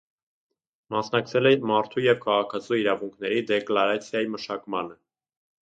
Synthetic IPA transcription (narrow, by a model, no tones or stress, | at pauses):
mɑsn̪ɑk̚t͡sʰɛlɛmɑɾt̪ʰujɛvkʰɑʁɑkʰɑt͡sʰuiɾɑvuŋkʰnɛɾid̪ɛklɑɾɑt͡sʰjɑjiməʃɑkmɑnə